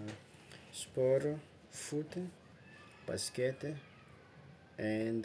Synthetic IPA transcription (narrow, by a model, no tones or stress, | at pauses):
spɔɾu | fut̪e | b̥a̰skɛt̪e | ɛnd̪